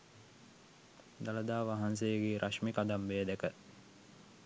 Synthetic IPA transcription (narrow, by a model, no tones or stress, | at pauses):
d̪aləd̪aːʋaɦans̬ejəɡeːɾʔaʃmikad̪amʋejəd̪ekə